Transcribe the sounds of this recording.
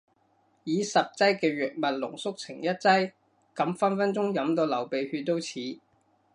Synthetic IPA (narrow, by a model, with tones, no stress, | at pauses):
jiː˨˥sɐ˨p̚t͡sɐ˥jkɛː˧ɥœː˨k̚mɐ˨t̚lʊ̰˨˩ŋsʊ˥k̚t͡sʰɪ˨˩ŋjɐ˥t̚t͡sɐ˥j | kɐ˨˥mfɐ˥nfɐ˥nt͡sʊ˥ŋjɐ˨˥mt̪o˧wlɐ˨˩wpe˨jhyː˧t̚t̪ːo˥wt͡sʰiː˨˥